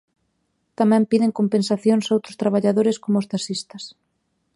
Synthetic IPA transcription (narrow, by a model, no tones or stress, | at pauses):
t̪amɛ̃mpiðɪŋkompẽnsaθjoŋsowt̪ɾʊst̪ɾaβaʎaðoɾɪskomʊst̪asist̪ɐs